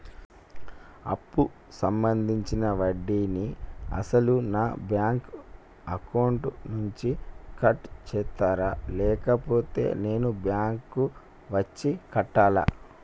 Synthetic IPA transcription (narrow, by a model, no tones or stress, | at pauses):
ɐ̰pːu | sɐmbɐnd̪ʱiɲt͡ʃinɐʋɐɖːiːniɐ̰sɐlunaːbjaːŋk | ɐkɐwɳʈnuɲt͡ʃikɐʈt͡ʃɛːt̪ːaːɾaːlɛːkɐpo̞ːt̪e̞̰ːne̞ːnubjaːŋkːu | ʋɐt͡ʃːikɐʈːaːla̰ː